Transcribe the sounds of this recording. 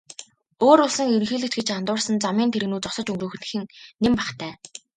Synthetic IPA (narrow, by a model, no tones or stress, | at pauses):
oːɾʊɮsə̆ŋeɾŋxeːɮɘ̆t͡ɕɡet͡ɕant̪ʊːrsə̆nt͡samiːnt̪ʰeɾɘɣnuːt͡sɔsɞ̆t͡ɕɵŋɡruːx̆nɘ̆xɘ̆nːempaχt̪ʰæː